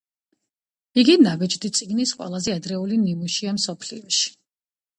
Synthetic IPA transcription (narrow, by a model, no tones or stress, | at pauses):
iɡinabid͡ʒd̪it̪sʼiɡnisqʼwɛ̰lˠazɛad̪ɾɛulinimuʃiamsɔpʰlḭɔʃi̥